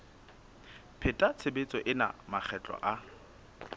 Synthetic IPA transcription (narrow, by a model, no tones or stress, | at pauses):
pʰɪtʼat͡sʰebet͡sʼɔʔɪna̰mak͡xʰɛt͡ɬʼɔ̰ʔa